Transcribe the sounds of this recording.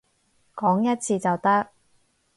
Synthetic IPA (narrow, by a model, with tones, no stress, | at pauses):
kɔː˨˥ŋjɐ˥t̚t͡sʰiː˧t͡sɐ˨wt̪ɐ˥k̚